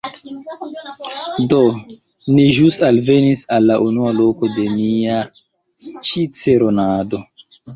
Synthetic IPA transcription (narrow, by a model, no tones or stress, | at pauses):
do̞ | niʒusalve̞nisalːaʔunualo̞ko̞de̞nia | t͡ʃit͡se̞ɾonado̞